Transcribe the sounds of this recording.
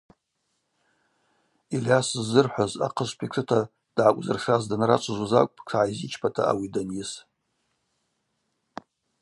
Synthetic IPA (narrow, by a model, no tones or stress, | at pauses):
ilasɨzːɨrħʷaza̰qʰəʃʷpʰikʰɨtʰa | d̥ʕakʷʼzɨrχazdanrat͡ʃʷʰaʒʷazakʷʼpʰʼkʰaʕaizit͡ʃʰpʰatʰa̰ʔa̰widanjɪs